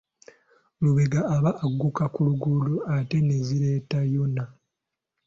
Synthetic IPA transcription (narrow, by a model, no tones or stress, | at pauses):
luβe̞ɡaːβaʔːɡːukakuluɡuluate̞ne̞ziɾe̞ːtajo̞na